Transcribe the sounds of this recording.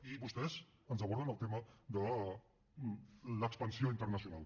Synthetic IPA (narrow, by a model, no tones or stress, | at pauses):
iβust̪ɛzənzəβ̞ɔɾð̞ənəlˠt̪eməd̪ə | ləkspənsioint̪əɾnəsiunalˠ